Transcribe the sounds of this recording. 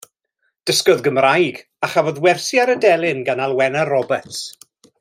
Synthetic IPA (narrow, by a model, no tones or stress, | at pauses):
d̥əskɔðɡəmrajɡ | aχavɔðwɛrsjaɾədɛlˠɪnɡanalˠwɛnarɔbɛts